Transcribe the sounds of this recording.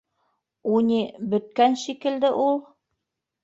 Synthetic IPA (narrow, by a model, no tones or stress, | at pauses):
unʲibɵ̆t̪̚kænʃikɘ̆ld̪ɘʔulˠ